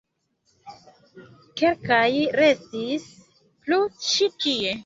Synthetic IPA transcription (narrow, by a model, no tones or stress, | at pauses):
ke̞lkajɾe̞stis | plut͡ʃitie̞